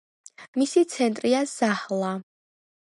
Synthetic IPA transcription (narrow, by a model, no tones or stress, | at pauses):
misit̪sʰɛnt̪ʼɾiazahlˠa